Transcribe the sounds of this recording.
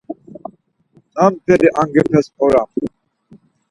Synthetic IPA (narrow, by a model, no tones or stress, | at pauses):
ampʰɛd̪iʔaŋɡɛpʰɛsɔɾam